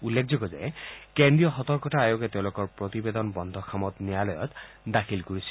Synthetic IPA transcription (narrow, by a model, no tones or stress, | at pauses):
ulːekʰzɔɡɔzɛ̰kendɹijɔxɔt̪ɔɹkɔtaajokɛteʊ̃lʊkɔɹpɹot̪ibed̪ɔnbɔnd̪ʱɔkʰamɔtnijalɔjɔ̰t | dakʰilkuɹisi̥